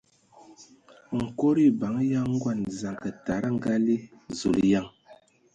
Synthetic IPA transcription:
ŋ̩˨ko˦ɾi˦ba˨˦ŋ˦ja˦ŋ̩˦ɡwa˨nza˨ŋkə˨ta˨ɾa˦˨ŋ˦ɡa˦li˦zṵ˨lja˦˨ŋ

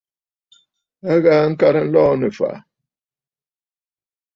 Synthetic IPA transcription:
a˦ɣa˨˦ŋ̩˦ka˨ɾə˦n̩˦lɔː˦nə˨fa̰˨

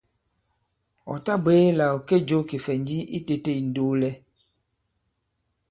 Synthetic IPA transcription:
ɔ̰˨ta˦be˨˦la˨o˨ke˦d͡ʒo˦ki˨fɛ˨ɲd͡ʒi˦ʔi˦te˨te˦˨i˨n˦do˦lɛ˦

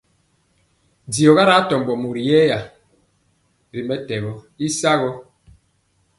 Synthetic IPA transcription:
di˨ɔ˨ɣa˦ɾa˦tɔ˨m˨bɔ˨mu˨ɾi˨jɛː˦ja˨ | ɾi˨mɛ˦tɛ˨ɣɔ˦ | i˦sa˦ɣɔ˦

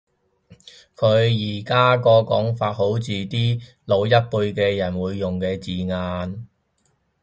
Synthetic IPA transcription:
kʰɵ˨˧ɥjiː˨˩kaː˥kɔː˧kɔː˨˥ŋfaː˧t̚ho˨˥wt͡siː˨t̪iː˥ | lo˨˧wjɐ˥t̚pu˧jkɛː˧jɐ˨˩nwuː˨˧jːʊ˨˩ŋkɛː˧t͡siː˨ŋaː˧n

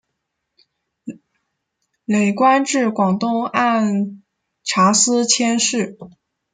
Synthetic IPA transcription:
le˨˩ɪkwa˥nʈ͡ʂɻ̩˥˩kwɑ˨˩ŋt̪ʊ˥˧ŋa˥˩n | ʈ͡ʂʰa˧˥sɹ̩˥t͡ɕʰjɛ˥nʂɻ̩˥˩

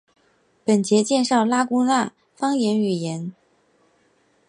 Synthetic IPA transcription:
pə˨˩nt͡ɕjɛ˧˥t͡ɕjɛ˥˧nʂɑ˥˩ʊla˥kʊ˥na˥˩ | fɑ˥ŋjɛ˧˥ny˨˩jɛ˧˥n

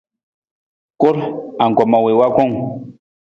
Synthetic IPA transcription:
ko˦ɾa˨ŋ˨kɔ˨ma˨we˨wa˦kɔ˦˨ŋ

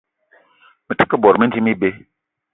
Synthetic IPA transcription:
mə˨tɨ̥˦kə˦bɔ˨ɾmə˦n˦d͡ʒi˦mi˦be˦

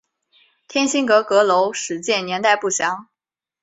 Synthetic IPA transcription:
t̪ʰjɛ˥nɕi˥ŋkɤ˧˥kɤ˧˥lo˧˥ʊʂɻ̩˨˧˩t͡ɕjɛ˥˩njɛ˧˥nt̪a˥˧ɪpu˥˩ɕjɑ˧˥ŋ

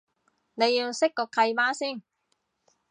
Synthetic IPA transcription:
ne˨˧jːiː˧wsɪ˥kːɔː˧kʰɐ˧jmaː˥siː˥˩n

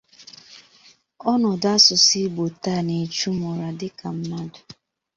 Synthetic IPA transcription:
ɔ˦nʊ˨da˦sʊ˨si˦bo˨ta˦˨ne˨t͡ʃu˦mɔ˨ɾa˨dɪ˦ka˨m̩˦ma˦dʊ˨

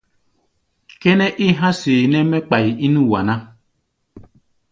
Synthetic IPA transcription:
kɛ˦nɛ˦ʔi˦ɦã˦seː˨nɛ˦mɛ˦k͡pa˨ji˨i˦nũ˦wa˨nã˦

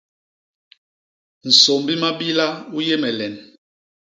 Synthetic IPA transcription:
n̩˨so˨mbi˦ma˦bi˦la˦u˦je˦mɛ˨lɛ˨n

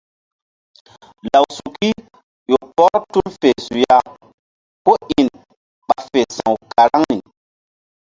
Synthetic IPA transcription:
la˨wsu˨ki˦ | jo˨pɔ˦ɾtu˦lfe˨su˨ja˦ | ko˦ʔi˨n | ɓa˨fe˨sã̰˨wka˨ɾa˦ŋni˨

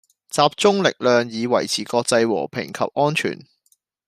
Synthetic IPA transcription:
t͡saː˧p̚t͡sʊ˥ŋlɪ˨k̚lœː˨ŋjiː˨˧wɐ˨˩jt͡sʰiː˨˩kɔː˧k̚t͡sɐ˧jwɔ̰ː˨˩pʰɪ̰˨˩ŋkʰɐ̰˨p̚ʔɔː˥nt͡ʃʰy̰ː˨˩n

